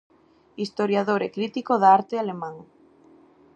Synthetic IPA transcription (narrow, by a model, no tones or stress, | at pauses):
ist̪oɾjaðoɾekɾit̪ikoðaaɾt̪ealemãŋ